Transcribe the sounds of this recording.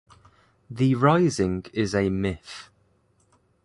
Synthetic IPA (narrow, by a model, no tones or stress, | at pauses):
ðəɹaɪzɪ̃ŋɪzəmɪθ